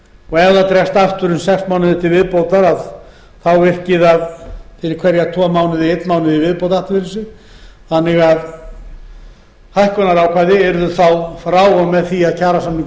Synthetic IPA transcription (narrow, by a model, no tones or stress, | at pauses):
ɔɣɛðat̪ɾɛst̪aft̪ʏɾʏmsɛksmaːwnɪðʏt̪ʰɪlvɪðpowt̪aɾað | θawvɪr̥cɪðaðfɪɾɪɾkʰvɛɾjat̪ʰɔmaːwnɪðɪejt̪nmaːwnɪðivɪðpowt̪aht̪vɪɾɪnsɪ | θanːɪɣað | hajhkɔnaɾawkʰaːðɪɛɾʏðʏθawfɾaːwamɛðθiaðcʰaːɾasamniŋk